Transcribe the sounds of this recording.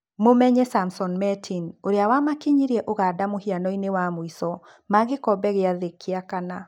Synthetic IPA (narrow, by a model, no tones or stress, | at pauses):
momɛɲɛsamsɔnmɛtʰinoɾeawamakiɲiɾɛʔoɣadamohianɔinewamoisɔ | maɣekɔbɛɣeaðekʰːiakana